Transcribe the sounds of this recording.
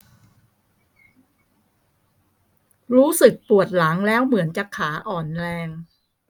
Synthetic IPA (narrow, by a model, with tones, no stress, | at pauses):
ɾuː˦˥sɯ˨˩k̚pu˨˩ət̪̚la˩˦ŋlɛː˦˥wmɯ˩˦ənt͡ɕa˨˩kʰːaː˩˦ʔɔː˨˩nlɛː˧ŋ